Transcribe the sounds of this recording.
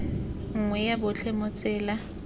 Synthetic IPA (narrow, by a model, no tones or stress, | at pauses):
ŋ̩ŋwɛjabʊt͡ɬʰɛmʊt͡sʼɛːla